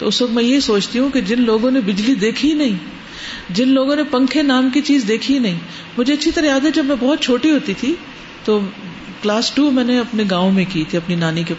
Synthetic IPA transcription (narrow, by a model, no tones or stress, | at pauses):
t̪o̰ːʊsʋɐk̚t̪mɛ̃jeɦisoːt͡ʃt̪iɦũked͡ʒɪnloːɡõnebɪd͡ʒlid̪eːkʰinɐɦĩː | d͡ʒɪnloːɡõnepɐ̃ŋkʰenaːmkit͡ʃiːzd̪eːkʰinɐɦĩː | mʊd͡ʒʱeɐtːʃʰit̪ɐɾajaːd̪ɦɛd͡ʒɐbmɛ̃bɔɦːt̪̚t͡ʃʰoːʈiɦoːt̪it̪ʰi | t̪oː | klaːsʈuːmɛ̃ːneɐpneɡaːõmẽkiːt̪ʰiɐpninaːnike